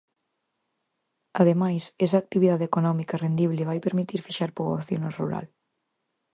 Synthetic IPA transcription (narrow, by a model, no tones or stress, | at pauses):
aðemajsɛsaːk̚t̪iβiðaðekonɔmikarend̪iβleβajpeɾmit̪iɾfiʃaɾpoβoθjonorṵɾa̰l